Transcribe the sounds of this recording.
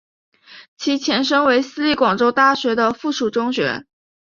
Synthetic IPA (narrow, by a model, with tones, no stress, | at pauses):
t͡ɕʰi˧˥t͡ɕʰjɛ˧˥nʂɤ˥ŋwe˧˥ɪsɹ̩˥li˥˩kwɑ˨˩ŋʈ͡ʂo˥ʊt̪a˥˩ɕɥɛ˧˥d̪ə˧fu˥˩ʂu˨˩ʈ͡ʂʊ˥ŋɕɥɛ̰˧˥